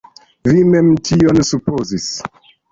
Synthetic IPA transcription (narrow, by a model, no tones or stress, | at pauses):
vimemtʰionsupozis